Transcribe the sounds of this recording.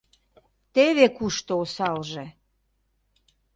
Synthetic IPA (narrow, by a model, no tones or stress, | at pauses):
t̪eβekuʃt̪oosɑlʒĕ